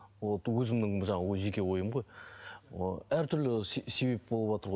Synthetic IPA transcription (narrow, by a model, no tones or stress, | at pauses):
wowɵzɪmd̪ɪŋʒɑɴwoʒe̞kʲe̞wo̞jəmʁo̞j | æɾt̪ʰʏɾlɪsse̞be̞p̚bo̞lˠəpwɑt̪əɾʁo